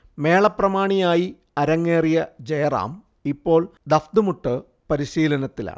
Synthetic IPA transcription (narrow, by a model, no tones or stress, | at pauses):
me̞ːɭɐprɐmaːɳijaːji | ɐɾɐŋːeːrijɐd͡ʑejɐra̰ːm | ipːo̞ːɭd̪ɐfd̪umuʈːɨ | pɐɾiɕiːlɐnɐt̪ːila̰ːɳɨ